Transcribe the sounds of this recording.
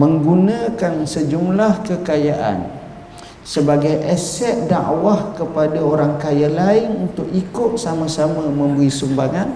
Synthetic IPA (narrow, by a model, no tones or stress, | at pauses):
mə̃ŋɡunãkansəd͡ʒumlahkəkajaʔa̰n | səbaɡajʔɛsɛt̪̚danʔa̰wahkəpadaoɾaŋkajalaɪnunt̪ʊkikʊt̪̚samãsamãmə̃mbəɾisumbaŋan